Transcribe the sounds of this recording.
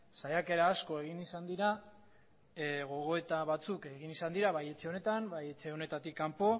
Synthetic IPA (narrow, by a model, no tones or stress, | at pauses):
sajake̞ɾaːsko̞e̞ɣ̞inisand̪iɾa | ɣo̞ɣ̞o̞e̞t̪aβat͡suke̞ɣinisand̪iɾaβaje̞t͡ʃe̞o̞ne̞t̪ambaje̞t͡ʃe̞o̞ne̞t̪at̪ikːampo̞